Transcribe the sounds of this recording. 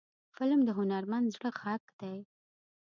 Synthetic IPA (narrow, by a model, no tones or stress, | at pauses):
fɪlmd̪əɦʊnaɾmand̪zɽəxakd̪̥aj